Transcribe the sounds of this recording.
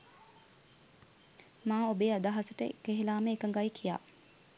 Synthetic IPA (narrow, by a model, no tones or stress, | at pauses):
maːobeːad̪aɦasəʈəekeɦilaːməekəŋɡajikʰija̰ː